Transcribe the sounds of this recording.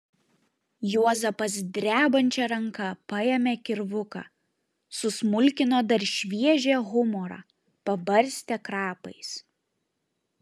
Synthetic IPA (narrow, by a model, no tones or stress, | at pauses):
juɔzɐpɐsd̪ʲɾʲæːbɐnʲt͡ʃʲɛɾɐŋkɐpɐjɛmʲeːkʲɪɾʋʊkɑ̰ː | sʊsmʊlʲkʲɪnoːd̪ɐɾʲʃʲʋʲiɛʒʲeːɣʊmɔɾɑ̰ | pɐbɐɾʲˑsʲt̪ʲɛkɾɑːpɐɪs